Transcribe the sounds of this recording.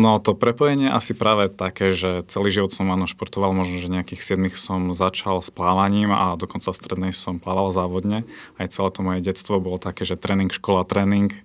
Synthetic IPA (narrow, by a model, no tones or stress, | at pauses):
nɔt̪ɔpɾɛpɔjɛɲɪɛɛʔasipɾaːʋɛt̪akɛːʒɛt͡sɛliːʒiʋɔt̪sɔmaːnɔʃpɔɾt̪ɔʋalmɔʒnɔʒɛɲɛakiːxsɪɛd̪mixsɔmzat͡ʃalsplaːʋaɲiːma̰d̪ɔkɔnt͡sast̪ɾɛd̪nɛjsɔmplaːʋalzaːʋɔd̪ɲɛajt͡sɛlɛːt̪ɔmɔjɛɟɛst̪ʋɔbɔlɔt̪akɛːʒɛt̪ɾɛːniŋkʃkɔlat̪ɾɛːniŋk